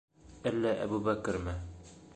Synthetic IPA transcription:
ælːæʔæ̰bubækɘ̆ɾmɘ

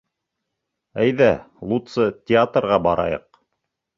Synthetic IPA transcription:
æjðælˠut̪sɤt̪ʲɪat̪rʁɑbɑɾɑ̰jɤ̰q̚

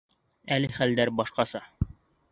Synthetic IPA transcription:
ælɘχæld̪æɾbɒʃqɑsɑ

